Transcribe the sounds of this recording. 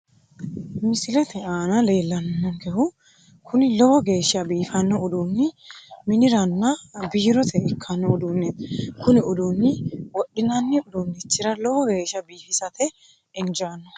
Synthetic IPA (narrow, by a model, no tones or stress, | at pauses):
mɪsɪlɛt̪ɛaːnɐle̞ːlːɐnnːɔŋkɛhʊ | kʰʊnɪlɔwɔɡe̞ːʃːɐbiːfɐnːɔʊd̪uːnːɪmɪnɪɾɐnːɐbiːɾɔt̪ʰɛɪkʰːɐnːɔʊd̪unːɛkʊnɪʊd̪unːɪwɔɗːɪnɐnːɪʊd̪unɪt͡ʃːɪɾɐlɔwɔɡe̞ːʃːɐbiːfɪsɐt̪ɛ | ɪnd͡ʒɐɐnːɔ